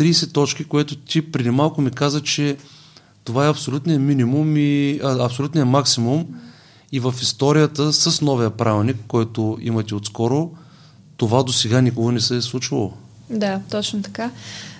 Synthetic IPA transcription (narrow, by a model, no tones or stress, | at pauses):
t̪ɾiːsɛt̪ɔt͡ʃkikojɛt̪ʊt̪ʲipɾid̪imalˠkʊmikazət͡ʃɛ | t̪ovaɛɐpsolʲut̪nijəminimumiəɐpsolʲut̪nijɐmaksimum | ivəfist̪ɔɾijət̪əsəsnɔvijəpɾʔavʲɛlˠnikːɔjt̪oḭmət̪ɛot̪skɔɾo | t̪ovad̪osɛɡanʲikoɡonɛsɛslˠut͡ʃilˠo̰ | d̪at̪ɔt͡ʃnot̪ɐ̥ka